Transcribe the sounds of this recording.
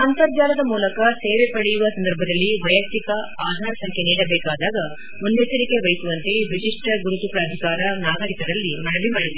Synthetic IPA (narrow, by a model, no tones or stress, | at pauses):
ɐnt̪ɐɾd͡ʒ̪aːlɐd̪ɐmuːlɐkɐseːʋepɐɽejuʋɐsɐnd̪ɐɾbʱɐd̪ɐlːiʋɐjɐk̚t̪ikɐaːd̪ʱaːɾɐsɐŋkʰjeniːɽɐbɛːkaːd̪aːɡɐ | mund̪ɛt͡ʃɐɾike̞ʋɐjsuʋɐnt̪e̞ʋiʃiʂʈɐɡuɾut̪upɾaːd̪ʱikaːɾɐnaːɡɐɾikɐd̪ɐlːimɐnɐʋimaːɽid̪e